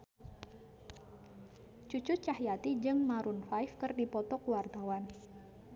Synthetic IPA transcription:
t͡ʃut͡ʃʊt͡ʃahjat̪id͡ʒɨŋmaɾunfajfkɨrdipɔt̪ɔkuwart̪awan

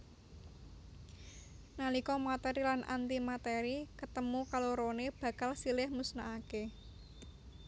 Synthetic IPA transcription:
nalikɔmat̪ɛɾilanʔa̰nt̪imat̪eɾikət̪əmukaloɾoneb̥ä̤kalsilɪhmusnaake

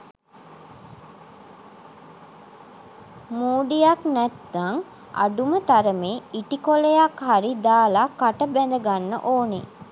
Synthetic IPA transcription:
muːɖijaknæt̪ːaŋ | a̰ɖumət̪aɾəmeːiʈikolejakhaɾid̪aːlakːaʈəbænd̪əɡanːə̰ʔoːne

